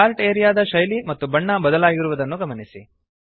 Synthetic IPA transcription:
aːlʈeːɾijaːd̪ɐʃɐjlimɐt̪ːubɐɳːɐbɐd̪ɐlaːɡiɾuʋud̪ɐnːuɡɐmɐnisḭ

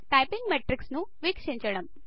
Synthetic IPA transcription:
ʈajpiŋɡmeʈɾiksnuʋikʂiɲt͡ɕɐɽɐm

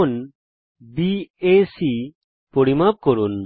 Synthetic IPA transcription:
n | biesi | poɽimap̚kɔɾun

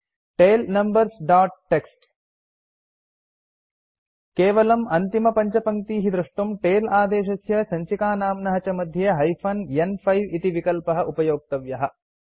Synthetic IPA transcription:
ʈeːlnɐmbɐɾsɖaːʈ̚ʈːeksʈ | keːʋɐlɐmɐnt̪imɐpɐɲt͡ʃɐpɐŋt̪iːɦid̪ɾuʂʈumʈeːlaːd̪eːʃɐsjɐsɐɲt͡ʃikaːnaːmnɐɦɐt͡ʃɐmɐd̪ʱjɐɦɐjpʰɐnjenpʰɐjʋit̪iʋikɐlpɐɦɐʔupɐjoːk̚t̪ɐʋjɐɦɐ

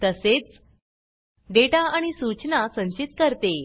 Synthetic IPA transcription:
t̪əset͡s | ɖeʈaaɽ̃isut͡ɕnasəɲt͡ɕit̪̚kəɾt̪e

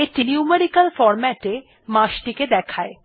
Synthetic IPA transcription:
eʈiniumeɾikalfɔɾmɛʈe | mãʃʈiked̪ɛkʰae

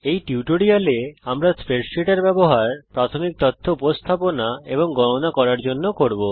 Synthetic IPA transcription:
ejʈiuʈoɽialeamɾaspeɾsiʈaɾbɛboɦaɾpɾat̪ʰomik̚t̪ɔt̪ʰːoupost̪ʰaponaeboŋɡɔnonakɔɾaɾd͡ʑonːokoɾbo

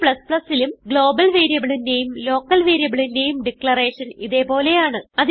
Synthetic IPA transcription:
pɭɐspɭɐsːilumɡɭo̞ːbɐlʋeːɾijɐbiɭinde̞jumlo̞ːkːɐlʋeːɾijɐbiɭinde̞jumɖikːɭɐre̞ːʂɐniðe̞po̞ːle̞jaːɳɨɐði

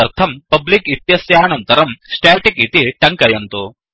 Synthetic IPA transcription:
ɐɾt̪ʰɐmpɐblikit̪jɐsjaːnɐnt̪ɐɾɐmsʈaːʈikit̪iʈɐŋkɐjɐnt̪o

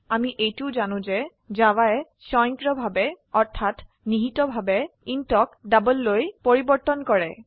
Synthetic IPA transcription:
amiʔejtuʊzanʊ̃zɛ | d͡ʒawaɛ | sɔjŋkɹɔbʱabɛ | ɔɹt̪ʰat | niɦitɔbʱabɛintɔkdabəlːojpoɹibɔɹt̪ɔnkɔɹɛ

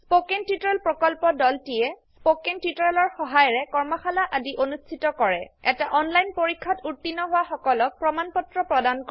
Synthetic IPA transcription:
spokentitɹɛlpɹɔkɔlpɔdɔltijɛspokentutɔɹɛlɔɹxɔɦajɔɹɛkɔɹmɔxʰalaʔadiʔonustʰitɔkɔɹɛɛtaʔɔnlajnpoɹikʰːatuɹtːinɔɦʊwaxɔkɔlɔk̚pɹɔmanpɔtɹɔpɹɔdankɔ

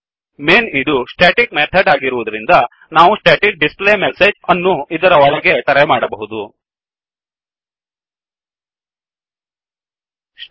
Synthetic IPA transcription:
meːnid̪usʈeːʈik̚meːt̪ʰɐɖaːɡiɾuʋud̪ɐɾind̪ɐ | naːʋusʈeːʈik̚ɖisplemesed͡ʒɐnːuid̪ɐɾɐʋɔɭɐɡet̪ɐɾɛmaːɽɐbɐɦud̪u

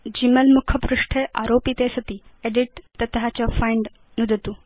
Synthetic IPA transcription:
d͡ʑiməlmukʰəpɾuʂʈʰeʔa̰ɾopit̪esət̪iːeɖiʈ̚t̪ːət̪ɦat͡ɕafajɳɖ | nud̪ʱət̪uː

